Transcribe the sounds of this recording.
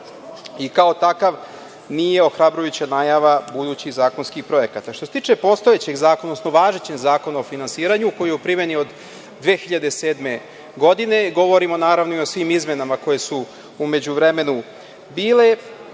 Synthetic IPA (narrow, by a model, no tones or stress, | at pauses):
ikao̞t̪akaʋ | nijeo̞xɾabɾujut͡ɕanaːjaʋabud̪uːt͡ɕiɣzaːko̞nskixpɾo̞jekat̪aʃt̪oset̪iːt͡ʂe̞po̞st̪ojet͡ɕe̞ɡzaːkonosnoʋaːʒet͡ɕeɡzaːko̞naofinansiːɾaɲuko̞jujeupɾimenio̞d̪ː | ʋeːxiʎad̪ese̞ːd̪me̞ | ɡo̞d̪ine̞ɡo̞ʋo̞ɾimo̞naːɾaʋno̞io̞sʋimizmenamako̞je̞su | ume̞d͡ʑuʋɾeme̞nu | biːle̞